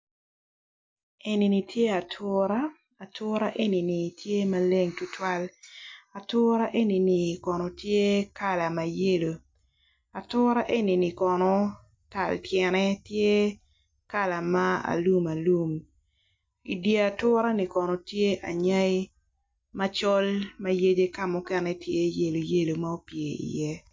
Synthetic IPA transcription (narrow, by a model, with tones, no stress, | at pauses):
e˨ni˨ni˨tje˦a˨tʰʊɾa˦ | a˨tʰʊ˦ɾa˦ʔe˦ni˨ni˨tʰje˦ma˨le˦ŋtʊ˦twa˦la˨tʊ˦ɾa˦ʔe˦ni˨ni˨kɔ˨nɔ˨tje˦ka˦˨la˨ma˨je˦lo˨ | a˨tʊ˦ɾa˦ʔe˦ni˨ni˨kɔ˨nɔ˨ | ta̰˨ltjɛ˨nɛ˦tje˦ | ka˦la˨ma˦a̰˨lu˦ma˨lu˦m | ḭ˨dje˨a˨tʊː˦ɾa˦ni˨kɔ˨nɔ˨tje˦ʔa˨ɲa˦ɪ˦ | ma˦t͡ʃɔ˦lma˦je˦d͡ʒe˦ka˦mɔ˦kɛ˦nɛ˦tje˦je˦lo˨je˦lo˨ma˦o˦pje˨ḭ˨jɛ˦